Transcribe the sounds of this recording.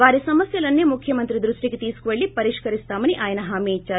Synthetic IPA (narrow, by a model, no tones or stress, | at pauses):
ʋaːɾesɐmɐsjɐlɐnːemukʰjɐmɐnt̪ɾid̪ɾuʂʈiɡet̪iːskʋɐɭːipɐɾiʂkɐɾist̪aːmɐniʔaːjɐnɐɦaːmiːt͡ʃːa